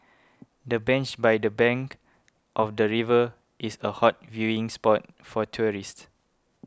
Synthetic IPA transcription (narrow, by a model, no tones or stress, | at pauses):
dəbɛ̃nt͡ʃbajdəbɛ̃ŋk | ʔɔfdəɹivə | ʔisəhɔt̚vjuĩŋspɔt̚ | fɔtʰuɹist